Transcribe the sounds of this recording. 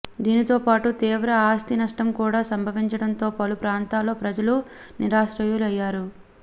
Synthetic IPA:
d̪iːnit̪o̞ːpaːʈut̪iːʋɾɐaːst̪inɐʂʈɐmkuːɽaːsɐmbʱɐʋiɲt͡ʃɐɽɐnt̪o̞ːpɐlupɾaːnt̪aːlːo̞ːpɾɐd͡ʒɐlu | niɾaːʂɾɐjuluɐjːaːɾu

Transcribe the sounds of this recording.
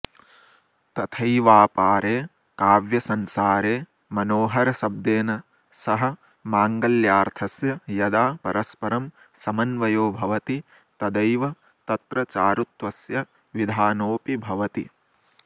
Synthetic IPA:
t̪ɐt̪ʰɐjʋaːpaːɾeː | kaːʋjɐsɐnsaːɾeː | mɐnoːɦɐɾɐsɐb̚d̪eːnɐ | sɐɦɐ | maːŋɡɐljaːɾt̪ʰɐsjɐjɐd̪aːpɐɾɐspɐɾɐm | sɐmɐnʋɐjoːbʱɐʋɐt̪i | t̪ɐd̪ɐjʋɐ | t̪ɐt̪ɾɐt͡ʃaːɾut̪ʋɐsjɐ | ʋid̪ʱaːnoːpibʱɐʋɐt̪i

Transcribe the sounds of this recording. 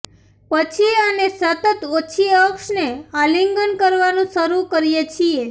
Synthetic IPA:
pət͡ʃʰianesət̪ət̪ot͡ʃʰiəksnealiŋɡənkəɾʋanũsəɾukəɾijet͡ʃʰie

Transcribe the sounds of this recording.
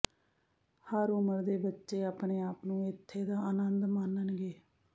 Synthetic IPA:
həɾʊməɾd̪eːbətːʃeːaːpɳeːaːpnũːɪt̪ʰːeːd̪aːənənd̪maːnənɡeː

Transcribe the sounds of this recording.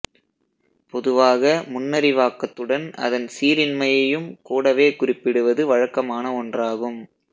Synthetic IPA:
pɔðɯʋaːɣɐmʊnːɐɾɪʋaːkːɐt̪ːɯɽɐnɐ̰ðɐnsiːɾɪnmɐjɐjɯmkuːɽɐʋeːkʊrɪpːɪɽɯʋɐðɯʋɐɻɐkːɐmaːnɐɔndraːɣɯm

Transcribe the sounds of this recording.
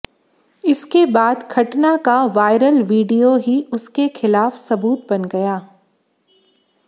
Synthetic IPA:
ɪskebaːd̪kʰɐʈnakaʋaːɪɾəlʋiːɖijoɦiʊskexɪlaːfsɐbuːt̪̚bɐnɡɐjaː

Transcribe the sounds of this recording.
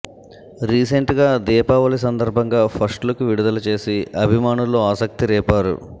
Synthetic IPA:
ɾiːseɳʈɡaːd̪ɛːpaːʋɐlis̬ɐnd̪ɐɾbʱɐŋɡaːpʰɐɾsʈlɐkuʋiɽud̪ɐlɐt͡ʃeːsiɐbʱimaːnulːoːaːsɐk̚t̪iɾɛːpaːɾṵ

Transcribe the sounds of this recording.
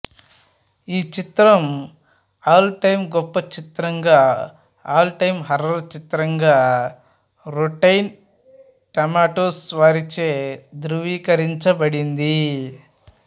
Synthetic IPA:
iːt͡ʃit̪ɾɐm | aːlʈɐjmɡɔpːɐt͡ʃit̪ɾɐŋɡaː | aːlʈɐjmɦɐɾɐɾt͡ʃit̪ɾɐŋɡaː | ɾuʈɐjn | ʈɐmaːʈoːsʋaːɾit͡ʃeːd̪ɾuʋiːkɐɾiɲt͡ʃɐbɐɽind̪i

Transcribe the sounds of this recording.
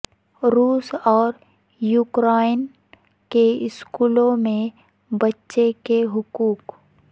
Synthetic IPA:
ɾuːsɔːɾ | juːkɾaːɪn | keɪskuːlõmẽ | bɐtːʃekeɦʊkuːk

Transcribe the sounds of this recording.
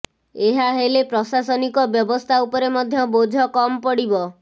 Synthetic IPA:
eɦaɦelepɾɔsasɔnikɔbjɔbɔst̪ʰaupɔɾemɔd̪ʱjɔbod͡ʒʱɔkɔmɔpɔɽibɔ

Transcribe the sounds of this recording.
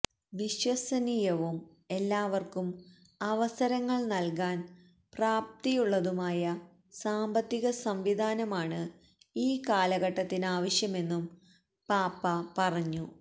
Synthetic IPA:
ʋiɕwɐsɐniːjɐʋum | e̞lːaːʋɐrkum | ɐʋɐsɐɾɐŋːɐɭnɐlkaːn | praːp̚t̪ijuɭːɐðumaːjɐ | saːmbɐt̪ːiɣɐsɐmʋid̪ʱaːnɐmaːɳɨ | iːkaːlɐɣɐʈːɐt̪ːinaːʋɐɕjɐme̞nːum | paːpːɐpɐrɐɲːu

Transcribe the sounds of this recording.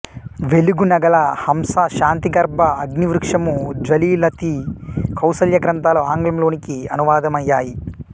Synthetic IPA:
ʋeluɡunɐɡɐlɐhɐmsɐʃaːnt̪iɡɐɾbʱɐːɡniʋɾukʂɐmud͡ʒɐliːlɐt̪ikʰɐwsɐljɐɡɾɐnt̪aːloːaːŋɡlɐmlo̞ːnikiɐnuʋaːd̪ɐmɐjːaːji

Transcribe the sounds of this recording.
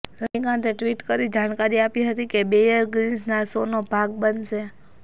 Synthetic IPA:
ɾəɦĩkãt̪eʈʋiʈkəɾid͡ʒaɽ̃kaɾiapiɦət̪ikebejəɾɡɾinsnasonobʱaɡ̚bənʃe

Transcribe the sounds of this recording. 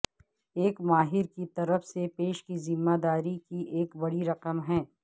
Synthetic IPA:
eːkmaːɦɪɾkit̪ɐɾəfsepeːʃkizɪmːad̪aːɾikiʔeːkbɐɽiɾɐqəmɦɛ̃ː

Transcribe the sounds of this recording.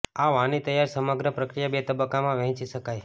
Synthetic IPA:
aʋãnit̪əjaɾsəməɡɾəpɾəkɾijabet̪əbəkːamãʋɛ̃ɦt͡ʃiʃəkaj

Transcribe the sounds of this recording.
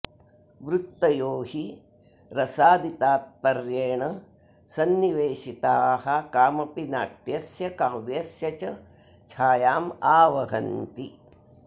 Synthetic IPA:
ʋɾut̪ːɐjoːɦi | ɾɐsaːd̪it̪aːt̪̚pɐɾjeːɳɐ | sɐnːiʋeːʃit̪aːhɐkaːmɐpinaːʈjɐsjɐkaːwd̪esjɐt͡ʃɐ | t͡ʃʰaːjaːmaːʋɐɦɐ̰nt̪i

